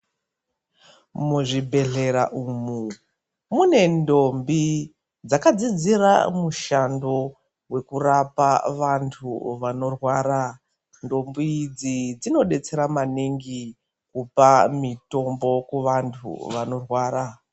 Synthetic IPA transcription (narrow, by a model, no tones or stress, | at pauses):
muʐibʱe̞ɮe̞ɾaʔumu | mune̞ndo̞mbi | d͡zakad͡zid͡zira̰muʃando̞ | we̞kurapaʋantʰṵʋano̞rwaːɾa | ndo̞mbid͡zid͡zino̞ɗe̞t͡se̞ɾamaniŋɡi | kupamito̞mbo̞kuʋantʰṵʋano̞rwaːɾa